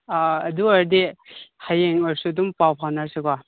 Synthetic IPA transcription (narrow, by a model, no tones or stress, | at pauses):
aɐduaɾdehajeŋɔɾsudumpawpʰawnaɾsekɔ